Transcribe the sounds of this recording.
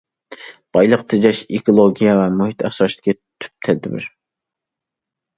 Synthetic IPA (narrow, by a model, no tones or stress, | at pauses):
b̥ɑjlˠəqt̪ʰɪd͡ʒɑʃekolˠoɡʲijɛvɛmuɦit̪ʰɛχʃɑʃt̪ɪ̥kʲi | t̪ʰy̥p̚t̪ʰɛd̪ːɪbɪ̰ɾ